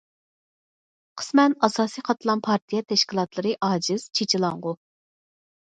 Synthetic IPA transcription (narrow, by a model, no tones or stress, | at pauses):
qʰə̥smɛnɑsɑːsijqʰɑt̪ʰlˠɑnpʰɑɾt̪ʰijɛt̪ʰɛʃkʲilˠɑt̪lˠɨɾɨʔɑːd͡ʒiz̥t͡ʃʰet͡ʃʰilˠɑɴʁʊ